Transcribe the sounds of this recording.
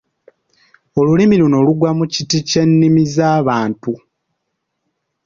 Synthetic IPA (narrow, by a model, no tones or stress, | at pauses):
o̞lulimiluno̞ːluɡwamucitice̞nːimizaːβaːntu